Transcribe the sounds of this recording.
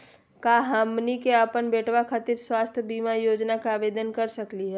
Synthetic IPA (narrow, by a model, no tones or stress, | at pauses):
kaɦəmnikeəpənbeːʈwakʰaːt̪iɾswaːst̪ʰjbiːmajoːd͡ʒnakaaːbeːd̪ənkɐɾsəkliɦɛː